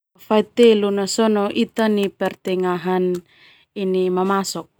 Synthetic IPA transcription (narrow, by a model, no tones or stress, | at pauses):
fajt̪elunasonoʔit̪anipert̪eŋaɦan | inimamasok̚